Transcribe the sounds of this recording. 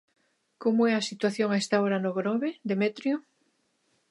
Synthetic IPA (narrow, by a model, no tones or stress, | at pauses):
komoeasit̪waθjoŋaest̪aoɾanoɣɾoβed̪emet̪ɾjo